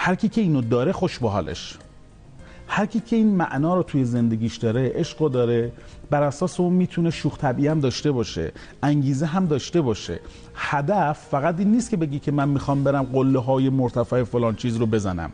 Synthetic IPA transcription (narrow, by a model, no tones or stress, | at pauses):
hæɾcʰiːcʰe̞iːnod̪ɒːɾe̞xoʃbeɦɒ̰ːlʔḛʃ | hæɾcʰiːcʰe̞iːnmæ̰ʔnɒːɾot̪ʰuje̞ze̞nd̪e̞ɡʲiːʃd̪ɒːɾe̞ʔeʃɢod̪ɒːɾe̞ | b̥æɾæsɒːseuːnmiːt̪ʰune̞ʃuːxt̪ʰæbiːæmd̪ɒːʃt̪e̞bɒːʃḛ | ʔæŋɟiːzeɦæmd̪ɒːʃt̪e̞bɒːʃḛ | hæd̪æfːæɣæt̪iːnːiːst̪̚cʰe̞be̞ɟiːcʰe̞mænmixɒːmbe̞ɾæmɢolːeɦɒːje̞moɾt̪ʰæfæefolɒːnt͡ʃʰiːzɾobe̞zænæ̰m